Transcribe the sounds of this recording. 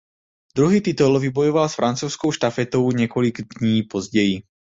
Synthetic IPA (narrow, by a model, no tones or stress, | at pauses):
d̪̥ɾuɦiːt̪it̪ulvibɔjɔʋalsfɾant͡suʊskɔʊʃt̪afɛt̪ɔʊɲɛkɔliɡd̪ɲiːpɔzɟɛji